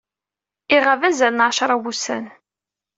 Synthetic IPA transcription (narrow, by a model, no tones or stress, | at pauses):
iʁəvæzælnʕaʃɾˤawusæ̰n